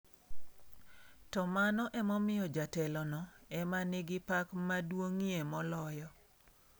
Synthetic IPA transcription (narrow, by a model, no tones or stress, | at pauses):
tɔmanɔʔɛmɔmɪjɔd͡ʒatɛlɔnɔɛmanɪɡɪpakmadwoŋiemɔlɔjɔ